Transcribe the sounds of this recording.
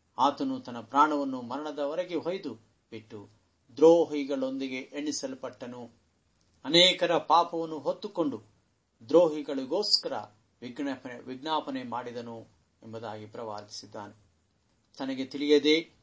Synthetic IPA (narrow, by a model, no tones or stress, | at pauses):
aːt̪ɐnut̪ɐnːɐpɾaːɳɐʋɐnːumɐɾɐɳɐd̪ɐʋɐɾɐɡeɦojd̪u | b̥iʈːu | d̪ɾoːɦiɡɐɭo̞nd̪iɡe̞ʔeɳːisɐlupɐʈːɐnu | ɐnɛːkɐɾɐpaːpɐʋɐnːuɦot̪ːuko̞ɳɖu | d̪ɾoːɦiɡɐɭiɡoːskɐɾɐ̰ | ʋiɡɳɐpɐʋiɡɳaːpɐnemaːɽid̪ɐnu | embɐd̪aːɡipɾɐʋa̰ːɾt̪i̥sid̪ːa̰ːne | t̪ɐnɐɡet̪iɭijɐd̪e